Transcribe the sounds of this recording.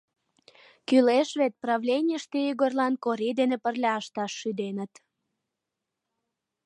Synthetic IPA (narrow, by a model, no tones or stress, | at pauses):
kyleʃβet̪̚prɑβlʲenʲiəʃt̪eyɣorlɑnkoɾid̪enepərlʲɑəʃt̪ɑʃːyd̪enə̆t̪